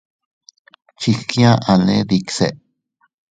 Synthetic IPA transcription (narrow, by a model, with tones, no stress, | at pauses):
t͡ʃi˧kj̃ã˦ʔã˨˧nẽ˦ði˧kse˨ʔ